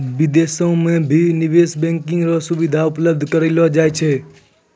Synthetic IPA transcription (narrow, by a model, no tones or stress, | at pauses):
ʋɪd̪esõmẽbʱinɪʋeːsbɛ̃ŋkɪ̃ŋɡɾosʊʋɪd̪ʱaʊpləbd̪ʱkəɾilod͡ʒaːjt͡ʃʰe